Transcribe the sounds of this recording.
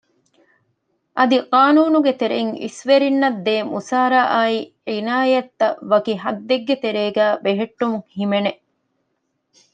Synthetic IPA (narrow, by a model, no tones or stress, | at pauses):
ʔɐd̪iqaːnuːnuɡet̪eɾeŋḭsʋeɾinːɐd̪ːeːmusaːɾaʔaiʕinaːjɐt̪ːɐʋɐkiɦɐd̪ːeɡːet̪eɾeːɡæːbeɦeʈːumuhimene